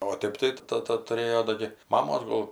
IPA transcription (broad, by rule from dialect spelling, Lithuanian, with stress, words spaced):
oː ˈtʲeːp tɐɪ ˈtɑːtɐ tʊˈrʲeːjoː ˈdoː ɡʲɪ ˈmɑːmoːs ˈɡoːlˠ